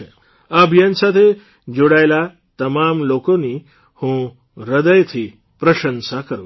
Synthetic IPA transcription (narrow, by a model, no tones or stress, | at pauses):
e | abʱijənsat̪ʰe | d͡ʒoɽaela | t̪əmamlokoni | hũ | ɾəd̪əjt̪ʰi | pɾəʃənsakəɾṵ̃